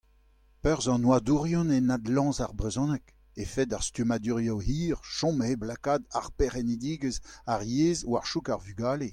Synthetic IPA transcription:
pœʁzɑ̃nwad̪uʁjɔ̃nenad̪lɑ̃ːzaʁbʁezɔ̃nɛk | efɛd̪aʁst̪ymad̪yʁjohiːʁʃɔ̃meblakaːd̪aʁpeʁɛnid̪iːɡəzaʁjeːzwaʁʃukaʁvyɡaːle

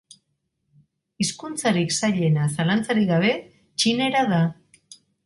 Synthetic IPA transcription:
iskunt͡saɾiksaʎe̞nasalant͡saɾiɣaβ̞e̞ | t͡ʃine̞ɾaða

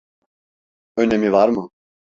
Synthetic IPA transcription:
ønɛmivaɾmə

